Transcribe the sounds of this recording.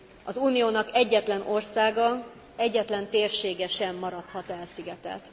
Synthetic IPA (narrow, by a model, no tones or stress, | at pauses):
ɒzuːnijoːnɒkɛɟːɛt̪lɛno̞rsaːɡɒ | ɛɟːɛt̪lɛnt̪eːrʃeːɡɛʃɛmːɒɾɒt̪hɒt̪ɛlsiɡɛt̪ɛ̰t̪